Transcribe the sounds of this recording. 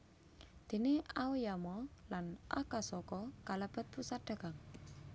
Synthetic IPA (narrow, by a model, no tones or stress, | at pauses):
d̪̥e̤niaujamɔlanʔa̰kasɔkɔkalab̥ə̤t̪̚pusaɖ̥a̤ɡaŋ